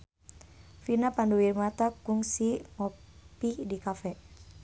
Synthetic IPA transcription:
finapanduwirmat̪akuŋsiŋɔpidikafɛ

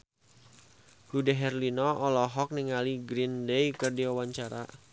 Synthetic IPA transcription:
hudaɦɛrlinɔʔɔlɔɦɔk̚niŋaliɡɾindejkərdiwawaɲt͡ʃaɾa̰

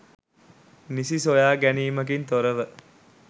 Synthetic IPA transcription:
nisisojaːɡæniːməkint̪oɾəʋə

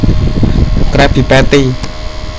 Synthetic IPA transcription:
krapʰipɛt̪iː

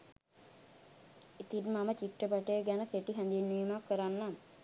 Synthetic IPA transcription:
it̪inmamət͡ʃiʈːəpaʈejːɡænəkeʈiɦænd̪inːiːmakːəɾanːam

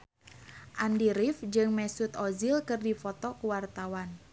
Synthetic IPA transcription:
ʔandiɾifd͡ʒɨŋmɛsut̪ɔzilkɨrdifɔt̪ɔkuwart̪awan

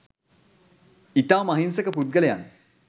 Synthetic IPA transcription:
it̪awmaɦinsəkəpud̪̚ɡələja̰n

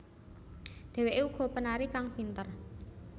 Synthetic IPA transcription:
d̪̥ɛ̤weʔeuɡ̥ɔ̤pənaɾikaŋb̥int̪ər

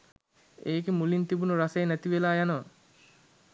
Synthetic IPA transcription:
eːkemulint̪ibunuɾasejnæt̪iʋelaːjanəʋə

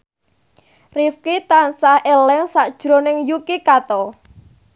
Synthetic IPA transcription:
rifkit̪ansahelɛŋsaʔd̥ʒ̥ɾo̤nɪŋjukikat̪ɔ

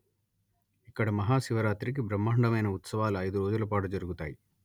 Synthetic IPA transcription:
ikːɐɽɐmɐɦaːʃiʋɐɾaːt̪ɾik̬ibɾɐmːaːɳɖɐmɐjnɐut̪sɐʋaːluɐjd̪uɾoːd͡ʒulɐpaːʈud͡ʒɐɾuɡut̪a̰ːji

